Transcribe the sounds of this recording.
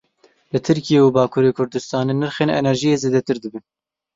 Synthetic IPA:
lɨt̪ʰɨɾkijeːubɑːkʰuːɾeːkʰʊɾd̪ɨst̪ɑːneːnɨɾxeːnɛ̰nɛɾʒijeːzeːd̪ɛt̪ɨɾd̪ɨbɨn

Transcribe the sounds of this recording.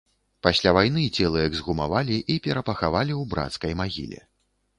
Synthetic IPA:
pasʲlʲavajn̪ɨːt͡sʲɛlˠɐjɐɡzɣuma̰valʲiʔipʲɛɾɐpɐxavalʲiwbɾa̰t̪skɐjmaɣʲḭlʲɛ̰

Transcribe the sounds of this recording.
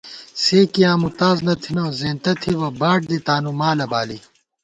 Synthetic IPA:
seːkiãːmut̪aːznɐt̪ʰinõːzẽːnt̪ɐt̪ʰiwɐbaːʈ̚d̪it̪aːnumaːlɐbaːli

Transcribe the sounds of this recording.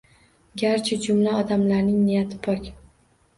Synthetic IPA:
ɡʲaɾt͡ʃʰɪd͡ʒʊmlaɒd̪amlaɾnɪŋnijat̪ʰɪpʰɒkʲ

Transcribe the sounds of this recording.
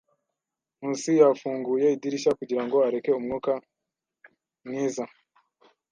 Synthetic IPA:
n̥uːnsijafuːŋɡuje̞idiɾiʃakuɟiɾaŋɡo̞aɾe̞ke̞umŋuːka | mŋiːza

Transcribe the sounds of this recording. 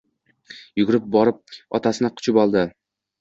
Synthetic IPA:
jʊɡʲʊɾɪp̚bɒɾɪp̚ɒt̪ʰasɪnɪqʰʊ̥t͡ʃʰʊbɒlˠd̪ɪ

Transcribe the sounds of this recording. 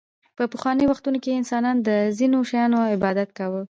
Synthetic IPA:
pəpəxwɑnəjwaxt̪unokeɪnsɑnɑnd̪əzinoʃajɑnoɪbɑd̪at̪̚kawə

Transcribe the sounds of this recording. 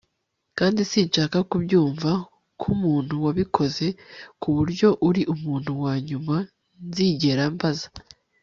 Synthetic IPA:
kaːndisiːnʃaːkakubɟuːɱva | kʰumuːn̥huwaβikʰo̞ze̞kuβuɾɟo̞ʔuɾiʔumuːn̥huwaːɲuma | nziɟe̞ɾambaza

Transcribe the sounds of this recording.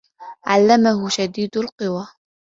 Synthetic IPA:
ʕa̰lːamahʊʃad̪iːd̪alqɨwa

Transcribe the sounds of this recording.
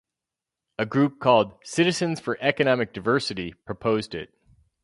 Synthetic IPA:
ɨɡɹʉp̚kʰɔlˠd̥sɪɾɨzɨ̃nz̥fə˞ʔɛkɨnɑmɨk̚d̥aɪvɜ˞sɨɾipʰɹ̥ɨpʰoʊzdɪ̰t̚

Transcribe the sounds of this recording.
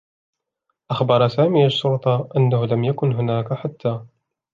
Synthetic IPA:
ʔaxbɑɾˤɑsaːmiːaʃːʊɾt̪ˤɑʔanːahʊlamjakʊnɦʊnaːkaħat̪ːaː

